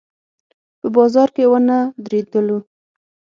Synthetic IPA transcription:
pəbɑzɑɾkewanad̪ɾed̪əlu

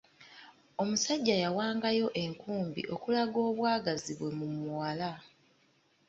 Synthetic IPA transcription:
o̞musaɟːajawaːŋɡajo̞ʔe̞ŋkuːmbḭʔo̞kulaɡo̞ːβwaːɡaziβwe̞mumuwala

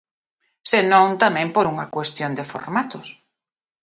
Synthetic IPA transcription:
senõŋt̪amɛ̃ŋpoɾuŋɐkwest̪jond̪ɪfo̰ɾmat̪ʊs

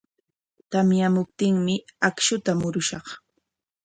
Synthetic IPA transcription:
t̪amjamʊp̚t̪ɪŋmɪakʃʊt̪amʊɾʊʃɑχ

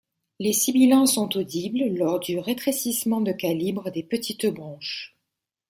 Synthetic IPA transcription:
lesibilɑ̃sɔ̃t̪od̪ibllɔʁd̪yʁet̪χesismɑ̃d̪əkalibʁəd̪epət̪ʰit̪bʁɑ̃ʃ

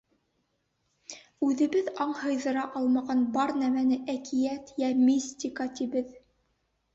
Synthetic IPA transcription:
ʉðɘ̆βɘðɑɴhɤ̆jðɤ̆ɾɑʔɑlˠmɑʁɑnbɑɾnæmænɘʔækijæt̪jæmisʲt̪ʲikɑt̪ibɘð

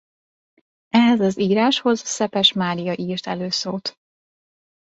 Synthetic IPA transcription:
ɛɦɛzɒziːɾaːʃho̞zsɛpɛʃmaːɾijɒʔiːrt̪ɛ̰løːsoːt̪

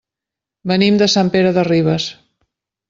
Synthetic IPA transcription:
bənimd̪əsampeɾəðəriβ̞əs

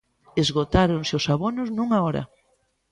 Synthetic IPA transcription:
ezɣot̪aɾoŋsɪʊsaβonʊznũŋaɔɾɐ̰

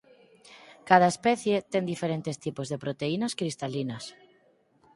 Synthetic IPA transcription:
kað̞aespɛθjet̪eŋd̪ifeɾent̪est̪ipozðepɾot̪einaskɾist̪alinɐas

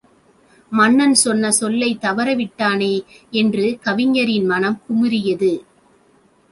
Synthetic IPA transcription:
mɐnːɐnsɔnːɐsɔlːɐɪt̪ːɐʋɐɾɐʋɪʈːaːneːɛndrɯkɐʋɪɲːɐɾɪnmɐnɐmkʊmɪɾɪjɐðɯ

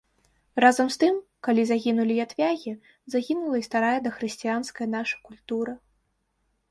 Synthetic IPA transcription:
razɐmst̪ɨmkalʲizaɣʲinulʲijat̪vʲaɣʲi | zaɣʲinulˠɐist̪aɾajɐd̪ɐxɾɨsʲt͡sʲijanskɐjɐnaʂɐ̥kulʲt̪uɾɐ

